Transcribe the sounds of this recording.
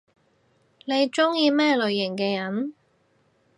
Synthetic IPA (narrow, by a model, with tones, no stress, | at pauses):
ne˨˧jt͡ʃʊ˥ŋjiː˧mɛː˥lɵ˨ɥjɪ˨˩ŋkɛː˧jɐ˨˥n